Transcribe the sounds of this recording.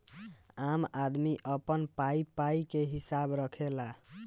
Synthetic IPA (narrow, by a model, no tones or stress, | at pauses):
amad̪miʔəpənpaipaikeɦisabɾəkʰela